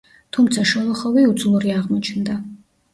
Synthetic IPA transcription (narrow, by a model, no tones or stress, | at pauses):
t̪ʰumt̪sʰaʃɔlˠɔχɔviud̪zlˠuɾiaʁmɔt͡ʃʰnd̪a